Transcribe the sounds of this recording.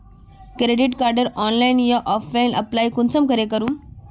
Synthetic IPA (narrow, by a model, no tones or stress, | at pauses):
kɾeɖiʈkaɾɖəɾɔnlainjaʔɔflainəplajkunt͡səmkəɾekəɾuːm